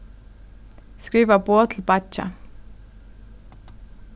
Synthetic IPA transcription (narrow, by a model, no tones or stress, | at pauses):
skɹiːʋəboːt̪ʰl̩bɑt͡ʃa̰